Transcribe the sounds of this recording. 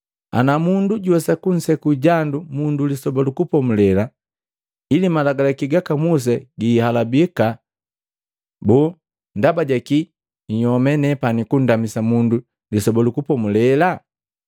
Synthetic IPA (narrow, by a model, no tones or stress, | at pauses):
a̰namunduɟuwɛsakun̩sɛkuɟandumundulisɔbɔlukupɔmulɛla | ilimalaɡalakiɡakamus̬ɛɡiːhalabika | bu | ndabaɟaki | ɲɔmɛnɛpanikun̩damisamundu | lisɔbɔlukupɔmulɛla